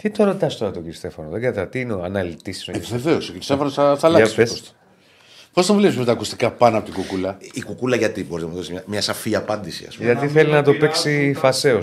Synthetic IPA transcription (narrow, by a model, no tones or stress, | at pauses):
t̪it̪oɾot̪ɐst̪oɾɐt̪oɟiɾist̪e̞fonoðeɡɐt̪ɐt̪iinoɐnɐlit̪isi̥soveveosociɾist̪efonosɐθɐlɐɐsesst̪ | post̪ɐmvulesimet̪ɐaːkust̪i̥kɐpɐnɐpo̞t̪iɡukulɐikukulɐʝɐt̪ibo̞iznɐmuðosimɲɐmɲɐsɐfiɐpɐnd̪isḭɐ̰spʝɐt̪iθelinɐt̪o̞peksifɐse̞o